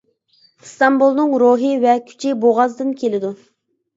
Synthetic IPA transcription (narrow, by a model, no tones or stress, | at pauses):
st̪ɑmbulˠnɨŋɾoɦɨvɛkʲʰy̥t͡ʃʰɪboʁɑzd̪ɨnkʲʰelɪd̪u